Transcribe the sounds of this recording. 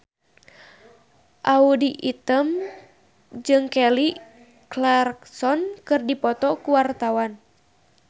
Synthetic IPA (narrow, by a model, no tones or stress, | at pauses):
ʔaudiʔit̪əm | d͡ʒɨŋkɛli | klɛrksɔnkɨrdipɔt̪ɔkuwart̪awan